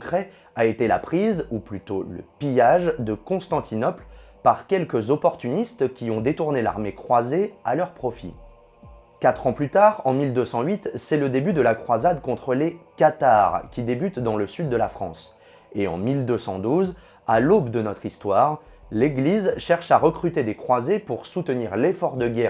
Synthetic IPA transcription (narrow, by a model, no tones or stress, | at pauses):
ɔ̃kχɛ | aet̪ela̰pχizuplyt̪olə̰pijaʒd̪əkɔ̃st̪ɑ̃t̪ʰinɔplpaʁkʲɛlkəzɔpɔʁt̪ynist̪kʲiɔ̃d̪et̪uʁnela̰ʁmekχwazealœʁpχɔfḭ | kat̪χɑ̃plyt̪aʁɑ̃mild̪øsɑ̃ɥit̪sɛləd̪ebyd̪əlakχwazad̪kɔ̃t̪χəlekat̪aʁkʲid̪ebyt̪d̪ɑ̃ləsyd̪ːəlafχɑ̰̃s | eɑ̰̃mild̪øsɑ̃d̪uz | alobd̪ənɔt̪χist̪waːʁ | leɡlizʃɛʁʃaʁəkχyt̪ed̪ekχwazepuʁsut̪əniʁlefɔʁd̪əɡʲɛ